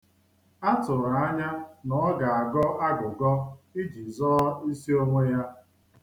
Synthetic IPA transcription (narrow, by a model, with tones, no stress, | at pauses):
a˦tʊ˨ɾa˨a˦ɲa˦nɔ˨˦ɡa˨a˨ɡɔ˦ʔa˦ɡʊ˨ɡɔ˦i˦d͡ʒi˨zɔ˦i˦si˦o˦ŋʷe˦ja˦